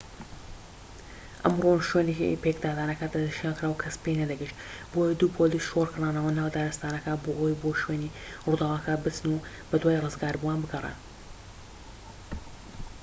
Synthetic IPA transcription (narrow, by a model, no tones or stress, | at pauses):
ʔɐ̰mroʃweneḭpekd̪aːd̪aːnɐkɐd̪ɐnɨʃiaːnkɾaːwkʰɐspejnɐd̪ɐɡəʃt̪bojɐd̪uːpʰoliːsʃorkʰɨraːnɐwɐnawd̪aːɾɨst̪aːnɐkɐbohojboʃweːnirud̪awɐkɐbɨt͡sɨnu | bɐd̪waːjirɨzɡaːɾbuwaːnbɨɡɐrḛn